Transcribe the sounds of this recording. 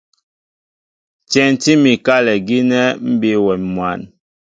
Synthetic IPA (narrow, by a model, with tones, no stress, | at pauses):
t͡ʃɛ˨n˨ti˦mi˨ka˦lɛ˨ɡi˦nɛ˦m̩˦bi˦wɛ˨nmwa˨n